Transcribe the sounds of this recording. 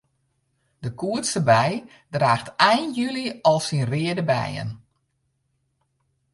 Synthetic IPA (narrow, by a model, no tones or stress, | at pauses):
d̥əkuətsəbɛj | draːxtɛjnjyliɔlˠsinrɪədəbɛ̰jə̰n